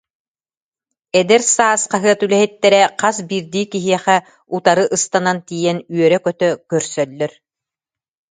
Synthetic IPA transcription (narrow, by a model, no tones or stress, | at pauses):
ɛd̪ɛɾsaːsqaɦɯɐt̪ylɛɦɛt̪ːɛɾɛqasbiːɾd̪iːkiɦiɛχɛ | ut̪aɾɯʔɯst̪anant̪ijɛnyœɾɛkœt̪œkœɾsœlːœɾ